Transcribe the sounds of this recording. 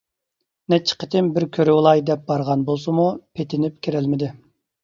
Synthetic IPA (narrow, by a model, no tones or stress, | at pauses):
nɛt͡ʃʰːɪ̥qʰə̥t̪ʰɪmbɪɾkʲʰøɾɪwlˠɑjd̪ɛp̚bɑɾʁɑnbolˠsɨmupʰet̪ʰɪnɪp̚kʲʰeɾælmɪd̪ɪ